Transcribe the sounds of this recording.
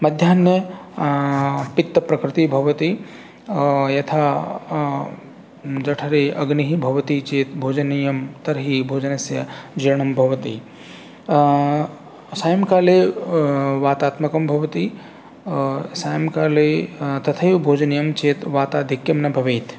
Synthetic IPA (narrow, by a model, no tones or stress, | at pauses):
mɐd̪ʱjaːnːjɐ | pit̪ːɐpɾɐkɾɪt̪ibʱɐʋɐt̪i | jɐt̪ʰaː | d͡ʒɐʈʰɐɾeʔɐɡniɦibʱɐʋɐt̪it͡ʃeːt̪bʱoːd͡ʒɐnijɐmt̪ɐɾɦibʱoːd͡ʒɐnɐsjɐd͡ʒiɾɐɳɐmbʱɐʋɐt̪i | saːjɐmkaːle | ʋaːt̪aːt̪mɐkɐmbʱɐʋɐt̪i | saːjɐmkaːlet̪ɐt̪ʰɐjbʱoːd͡ʒɐnjɐmt͡ʃeːt̪ʋaːt̪aːd̪ʱikjɐmnɐbʱɐʋeːt̪ʰ